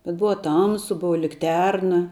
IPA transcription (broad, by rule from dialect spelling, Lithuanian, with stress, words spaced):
bʲɛt ˈbʊʋɐ ˈtɐmsʊ ˈbʊʋɐ lʲɪkˈtʲɛrnɐ